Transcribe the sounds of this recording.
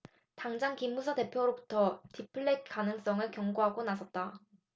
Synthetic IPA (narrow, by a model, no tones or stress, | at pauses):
taŋd͡ʑaŋkimːusʰʌte̞pʰjoɾobutʰʌtipʰɯɭːek͈anɯŋs͈ʌŋɯɭkjʌŋɡoɦaɡonasʰʌt̚t͈a